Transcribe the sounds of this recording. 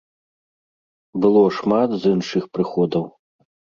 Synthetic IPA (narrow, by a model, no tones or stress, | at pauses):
bɨlˠɔʂmat̪zɨnʂɨxpɾɨxɔd̪ɐw